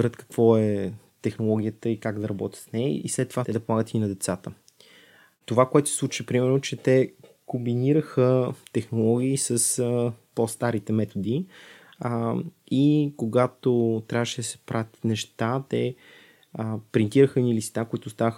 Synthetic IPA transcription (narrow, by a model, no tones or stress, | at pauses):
ɾət̪kə̥kvɔɛ | t̪ɛxnolˠɔɡʲijət̪əikaɡd̪ɐɾɐbɔt̪ʲət̪snɛə̰ḭslɛt̪ːovat̪ɛd̪ɐpomˠaɡət̪iinɐd̪ɛt̪sat̪ə | t̪ovakoɛt̪ossˠut͡ʃipɾimɛɾnot͡ʃɛt̪ɛ | kombiniɾəxət̪ɛxnolˠɔɡ̟ʲiːsəspɔst̪aɾit̪ɛmɛt̪od̪i | ikoɡat̪ot̪ɾʲavəʃɛd̪ɐsɛ̥pɾʔat̪nɛʃt̪at̪ɛ | pɾint̪iɾəxəɛnilist̪akoit̪ost̪avəx